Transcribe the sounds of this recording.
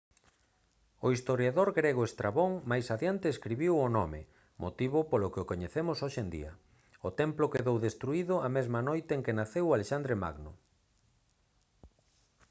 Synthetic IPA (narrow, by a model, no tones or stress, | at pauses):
oist̪oɾjaðoɾɣɾeɣoest̪ɾaβoŋmajsaðjant̪eːskɾiβiwonɔmḛ | mo̰t̪iβʊpolokɪokoɲeθemʊsoʃend̪ḭɐ | ot̪ɛmplʊkeðowðest̪ɾuiðʊamezmɐnojt̪eeŋkenaθewaleʃand̪ɾema̰ɣnʊ̰